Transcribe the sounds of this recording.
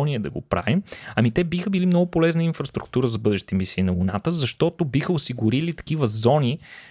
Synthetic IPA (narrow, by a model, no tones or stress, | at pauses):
niɛd̪ɐɡopɾa̰vimɐmit̪ɛbixəbilimnɔɡʊpolɛznəinfɾəst̪ɾuk̚t̪uɾəzɐbɤd̪ɛʃt̪i̥t̪ɛmisiːnɐvona̰t̪əzɐʃt̪ɔt̪obixəʊsiɡʊɾilit̪ɐ̥k̟ivəzɔni